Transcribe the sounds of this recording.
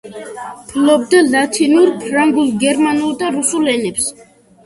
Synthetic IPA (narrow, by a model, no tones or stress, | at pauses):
pʰlɔb̚d̪alat̪ʰinuɾpʰɾaŋɡulˠɡɛɾmanulˠd̪aɾusulɛnɛps